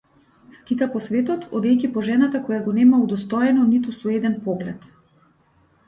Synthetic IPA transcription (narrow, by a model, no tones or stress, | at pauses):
sk̪it̪apɔsvɛt̪ɔt̪ʰɔd̪ɛjcipɔʒɛnat̪akɔjaɡɔnɛmaud̪ɔst̪ɔjɛnɔnit̪usɔɛd̪ɛnpɔɡlɛt̪